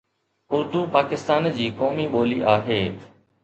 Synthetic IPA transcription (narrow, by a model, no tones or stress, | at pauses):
ʊɾd̪uːpaːkɪst̪aːnd͡ʑiːkɔːmiɓoːliʔaːɦeː